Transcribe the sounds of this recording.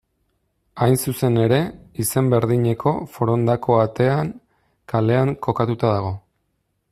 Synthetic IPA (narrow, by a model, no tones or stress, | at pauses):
ajnsuse̞ne̞ɾe̞ise̞mbe̞ɾðiɲe̞ko̞̰fo̞ɾo̞nd̪akʰo̞at̪e̞aŋ | kale̞aŋko̞kat̪ut̪aðaɣ̞o̞